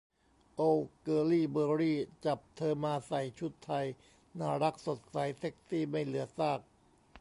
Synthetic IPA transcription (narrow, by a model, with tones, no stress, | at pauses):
ʔo˧wkɤː˧liː˥˩bɤː˧ɾiː˥˩t͡ɕa˨˩p̚t̪ʰɤː˧maː˧sa˨˩jt͡ɕʰu˦˥t̪ʰːa˧j | naː˥˩ɾa˦˥k̚so˨˩t̪̚sa˩˦jse˦˥k̚siː˥˩ma˥˩jlɯ˩˦ɐsaː˥˩k̚